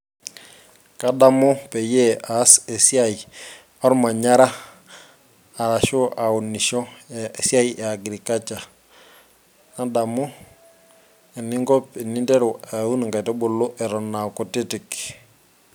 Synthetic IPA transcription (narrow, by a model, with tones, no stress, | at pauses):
ka˦da˦mʊ˦pɛ˨je˦aː˨˦sɛ˨si˦a˦i˨ | ɔ˦ɾma˨ɲa˦ɾa˦ | a˨ɾa˨ʃʊ˦a˨u˨nɪ˨ʃɔ˦˨si˦a˦jɛ˨a˨ɡɾi˨ka˦t͡ʃa˨ | na˦da˨mʊ˦ | ɛ˨nɪ˦ŋɡɔ˦pɛ˨nɪ˦ndɛ˦ɾʊ˨a˨u˦n˨ŋka˨jtɔ˦bʊ˨lʊ˦ʔɛ˨ɾɔ˨na˨kɔ˨tɪ˦tɪ˨k